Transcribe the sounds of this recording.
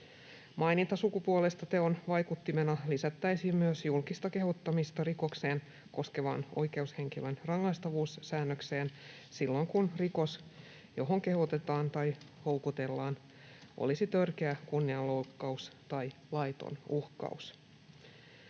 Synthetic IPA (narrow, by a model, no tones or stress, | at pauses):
mɑjnit̪ɑsukupuolest̪ɑt̪eonʋɑjkut̪ːimenɑlisæt̪ːæjsimmyøsjulkist̪ɑke̞ɦot̪ːɑmist̪ɑriko̞kse̞ːn | ko̞ske̞ʋɑ̰no̞̰jke̞ushe̞ŋkilønrɑŋːɑjst̪ɑʋuːsːæːnːøkse̞ːn | silːo̞ŋkunriko̞s | jo̞ɦoŋke̞hot̪e̞t̪ɑːnt̪ɑj | ho̞wkut̪e̞lːɑːn | ʔo̰lisit̪ørk̟eækunːiɑllo̞kːɑust̪ɑjlɑjt̪o̰nuhkɑ̰us